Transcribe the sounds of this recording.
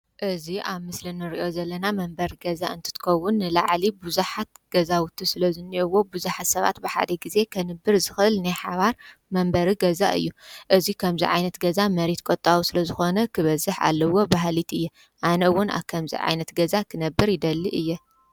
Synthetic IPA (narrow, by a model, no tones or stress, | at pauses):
ʔɨziʔaβmɨslinɨɾiʔo̞zɐlːɐnamɐmbɐɾiɡɐza̰ʔɨnt̪ʰɨ̥t̪ʰɨ̥kʰɐwːʊnːɨlaʕlibuzuħat̪̚ɡ̥ɐzawʊt̪ʰːisɨlɐzɨnːiʔowːo̞buzuħat̪sɐβa̰t̪bɨħa̰d̪ɐɡize̞kʰɐnɨbːɨɾzɨxɨʔɨlnajħaβaɾmɐmbɐɾiɡɐza̰ʔɨ̰jːuʔɨzikʰɐmziʕajnɐt̪ɡɐzamɐɾet̪kʼot̪ʼːawusɨlɐzɨxo̞nɐkʰɨβɐzːɨħa̰lːɐwo̞baɦlit̪ɨjːɛ | ʔanɐwːʊna̰βkʰɐmzḭʕa̰jnɐt̪ɡɐzakʰɨnɐbːɨɾjɪd̪ɐlːiʔɨjːɛ